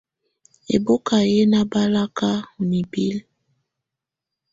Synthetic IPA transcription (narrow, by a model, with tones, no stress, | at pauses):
ḛ˨bo˦ka˨je˦na˦ba˦la˦ka˦u˨ni˨bi˦l